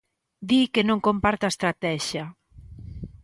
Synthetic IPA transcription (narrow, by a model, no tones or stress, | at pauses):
d̪ikenõŋkompaɾt̪aest̪ɾat̪ɛʃja